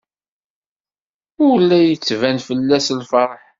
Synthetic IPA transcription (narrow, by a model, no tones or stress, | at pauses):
ʊlːæjət͡sːvænfəlːæslfɑɾˤħ